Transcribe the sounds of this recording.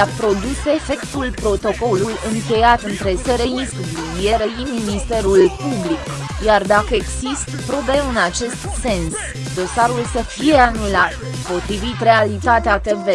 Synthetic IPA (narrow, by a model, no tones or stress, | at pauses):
apɾo̞d̪use̞fe̞kt̪ulpɾo̞t̪o̞ko̞lujɨŋkʲe̞jat̪ɨnt̪ɾe̞seɾe̞ist̪dinjeɾejiminist̪e̞ɾulpublik | jard̪akəeɡsist̪pɾo̞be̞ɨnat͡ʃe̞st̪se̞ns | d̪o̞saɾulsəfije̞anulat̪ | po̞t̪ɾivit̪re̞alit̪at̪eat̪eve